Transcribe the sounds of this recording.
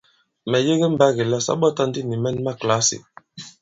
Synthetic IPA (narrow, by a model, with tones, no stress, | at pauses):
mɛ˨je˦ɣe˦m̩˨ba˦ɣe˨la˦sa̰˦ɓɔ˦ta˦n˦di˦ni˨mɛ˦˨nma˦˨kla˦sḭ˨